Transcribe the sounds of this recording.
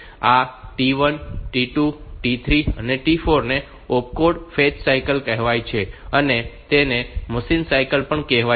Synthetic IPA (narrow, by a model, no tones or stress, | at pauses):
aʈiʋənʈiʈuʈit̪ʰɾiəneʈifoɾne | op̚koɖfet͡ʃsajkəlkɛɦʋajt͡ʃʰeənet̪eneməsinsajkəlpəɳkɛɦʋa